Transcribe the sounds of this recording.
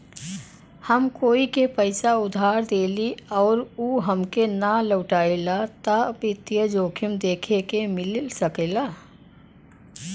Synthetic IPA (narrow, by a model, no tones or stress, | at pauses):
həmkoːikepəɪsaʊd̪ʱaːɾd̪eːliɔːɾuɦəmkenaləʊʈaːilat̪abɪt̪ijəd͡ʒoːkʰumd̪eːkʰekemɪlsəkelaː